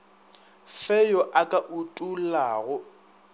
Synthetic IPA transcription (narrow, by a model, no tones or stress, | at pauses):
fɛjɔʔakʼaʔutʼulaːɣʊ